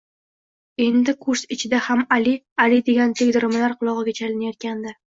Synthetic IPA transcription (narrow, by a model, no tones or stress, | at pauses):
e̞nd̪ɪkʰʊɾsɪt͡ʃʰɪd̪ahamali | alɪd̪e̞ɡʲant̪ʰeɡʲd̪ɪɾɪmɪlaɾqʰʊlˠɒʁɨɡʲat͡ʃʰalɪnajɒt̪̚kʲʰand̪ɪ